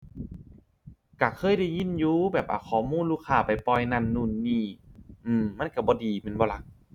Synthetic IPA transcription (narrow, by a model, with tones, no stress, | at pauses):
ka˧˩kʰɤː˧˥˨jda˧˩jɲi˧˥˨njuː˧˦bɛː˨˩p̚ʔa̰˨˩kʰɔː˨˩muː˧˥˨nluː˧˩kʰaː˧˩pa˨˩jpɔː˧˩jna˧˩˨nːuː˧˩˨nːiː˧˩ʔɯː˧˩mːa˧˥˨nka˧˩bɔː˧˦diː˨me˧˥˨nbɔː˧la˨˧˦k̚